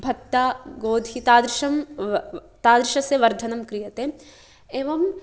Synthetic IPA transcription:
bʱɐkt̪ːaːɡoːd̪ʱit̪aːd̪ɾɪʃɐm | t̪aːd̪ɾɪʃɐseʋɐɾd̪ʱɐnɐmkɾijɐt̪eː | eːʋɐm

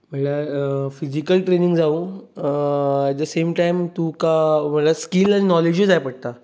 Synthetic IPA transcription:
m̤əɳlafid͡ʑikəlʈɾeniŋɡd͡zau | ɛʈ̚d̪əsemʈajmt̪ũkam̤əʈlaskilañinɔled͡ʑud͡zajpəɽ̚t̪a

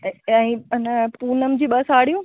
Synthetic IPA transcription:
ɛ̃ːnpuːnəmd͡ʑiːɓɐsaːɽijũː

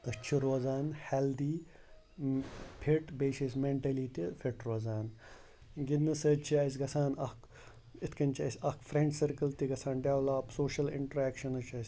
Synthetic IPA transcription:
ət͡ʃʰiɾoːzaːnheːld̪iː | pʰiʈbeːʃismeɳʈɐlit̪ipʰiʈɾoːzaːn | ɡid̪nɐsɐt͡ʃʰiɐsʲɡɐsaːnɐk | it̪ʰkɐnʲt͡ʃʰiɐsʲɐkfɾeɳɖsɐɾkəlt̪iɡɐsʰaːnɖeʋlaːpsoːʃɐlɪ̰ɳʈɐɾɛːkʃɐnɐt͡ʃʰɐsʲ

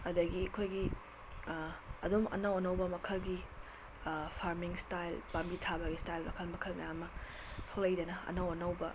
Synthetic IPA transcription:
ɐdɐɡiɐkʰojɡi | ɐdumɐ̰nɐwɐnɐwbɐmɐkʰɐlɡi | pʰaɾmiŋstajlpambitʰabɐɡistajlmɐkʰɐlmɐkʰɐlmɐjamːɐ | pʰɐklɐjdɐnɐɐ̰nɐwɐnɐwbɐ

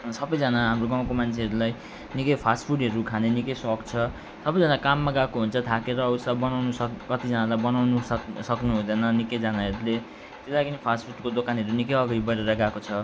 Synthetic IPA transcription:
sʌbʌjd͡zʌnaɦamroɡãw̃komant͡sʰeɦʌɾulaj | nikʌjpʰasʈpʰuʈɦʌɾukʰanenikʌjsɔkt͡sʰʌ | sʌbʌjd͡zʌnakamːaɡakoɦunt͡sʰʌt̪ʰakeɾʌusabʌnawnusʌkʌt̪id͡zʌnalajbʌnawnusʌknuɦũd̪ʌnʌnikʌjd͡zanaɦʌɾule | t̪elaɡinipʰaspʰuʈkod̪okanɦʌɾunikʌjʌɡaɾibʌɾeɾʌɡakot͡sʰʌ

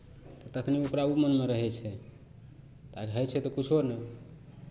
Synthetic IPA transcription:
t̪ɔt̪əkʰniokɾaumənmeɾəɦɛt͡ʃʰɛ | t̪akɦɛjt͡ʃʰɛt̪ɔkut͡ʃʰoɾnəj

